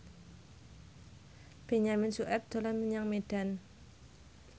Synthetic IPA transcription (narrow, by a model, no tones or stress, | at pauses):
b̥eɲamɪnsuʔɛp̚d̪̥alamːəɲaŋmed̥an